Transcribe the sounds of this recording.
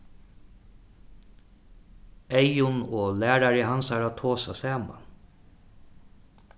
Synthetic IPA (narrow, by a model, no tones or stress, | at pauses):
ɛjʊnɔːlæːɾaɾɪɦansaɾat̪ʰoːsasaːma̰n